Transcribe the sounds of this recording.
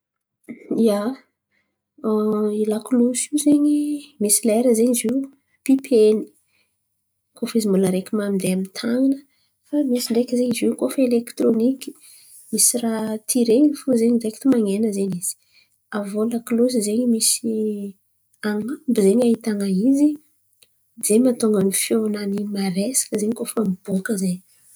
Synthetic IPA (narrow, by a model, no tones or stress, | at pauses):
ija | ilaklusizeɲimisileɾəzeɲiziw | pipʰeni̥ | kʰofəizimbuləɾekʲimamd̪eamit̪ʰaŋinə | famisiɳɖ͡ʐekizeɲiziwkofelekt̪roniki̥ | misirat̪ʰiɾenifuzeɲideki̥t̪imaŋenəzeɲiz̥i̥ | avoləklosizeɲimisi | aŋambizeɲait̪aŋaizi | zemat̪oŋɡənifjonanimaɾesḁkəzeɲikofamib̥okəzeɲ